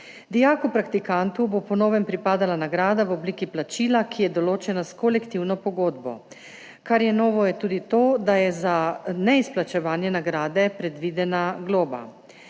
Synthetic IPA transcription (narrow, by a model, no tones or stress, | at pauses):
d̪ijaːkupɾakt̪ikant̪ubopɔnɔːʋɛmpɾipaːd̪alanaɡɾaːd̪aʋɔbliːkiplat͡ʃiːlakʰijɛd̪ɔloːt͡ʃɛnaskolɛkt̪iwnɔpɔɡoːd̪bɔ̰ | kaɾjɛnɔːʋɔjɛt̪uːd̪it̪oːd̪ajɛzanɛisplat͡ʃɛʋaːnjɛnaɡɾaːd̪ɛpɾɛd̪ʋid̪ɛnaɡloːba̰